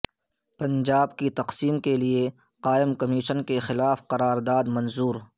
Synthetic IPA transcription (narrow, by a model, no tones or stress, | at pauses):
pɐ̃ɲd͡ʒaːbkit̪ɐqsiːmkelie | qaːɪmkɐmiːʃənkexɪlaːfqɐɾaːɾd̪aːd̪mɐ̃nzuːɾ